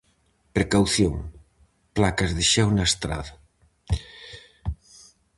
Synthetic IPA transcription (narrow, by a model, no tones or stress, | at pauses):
pɾekawθjoŋ | plakɐzðeʃɛwnaest̪ɾa̰ðɐ